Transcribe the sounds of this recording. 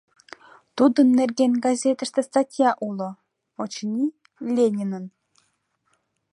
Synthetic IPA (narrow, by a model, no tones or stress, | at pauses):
t̪ud̪ə̆nːerɡʲenʲɡɑzʲet̪ə̆ʃt̪est̪atʲjɑʔulˠɤ̆ | ot͡ɕnʲi | lʲenʲinə̆n